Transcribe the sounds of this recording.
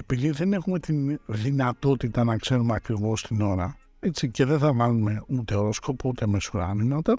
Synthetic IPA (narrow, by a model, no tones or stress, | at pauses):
e̞piðiðe̞ne̞xume̞t̪inðinɐt̪o̞t̪it̪ɐnɐkse̞ɾumeɐkɾivo̞st̪ino̞ɾɐ | et͡sice̞ðenθɐvɐlume̞ut̪e̞oɾo̞sko̞put̪e̞mesuɾɐ̰ninot̪ɐ